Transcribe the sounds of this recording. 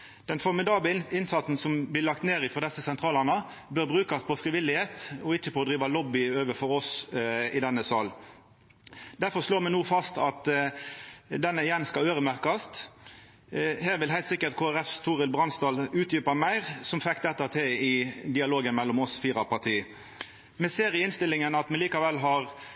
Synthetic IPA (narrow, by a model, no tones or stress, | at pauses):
d̪̥ɛnfɔɾmɪd̪ɑːbəɪnsɑt̪sn̩sɔmblɪlɑk̚t̪neːʁɪfɔʁd̪ɛsəsɛnt̪ʰʁɑːlɑʁnə | bøːɾbʁʉːkɑspʰɔfʁɪʋɪlɪheːt̪ɔɪçːəpʰɔːd̪ɾiːʋɑlɔbːɪøːʋəfɔɾɔsɪd̪ɛnːəsɑːl | d̪æɾfɔʁʂloːʁmɛnnuːfɑst̪ɑt̪ | d̪ɛnːəɪjɛnːskɑløːɾəmæʁkɑst̪ | hæːʁʋɪlhæɪlt̪sɪkːət̪kʰoːæɾɛft̪ʰuːʁəlbʁɑnst̪ɑːlʉːt̪̚jyːpɑmæɪʁsɔmfɛkt̪ɛt̪ːət̪ʰeːɪd̪ɪɑloːɡənmɛlːɔmɔsfiːʁɑpɑt̪ʰiː | mɛseːʁɪɪnst̪ɪlɪŋənɑt̪mɛliːkɑʋɛlːɦɑʁ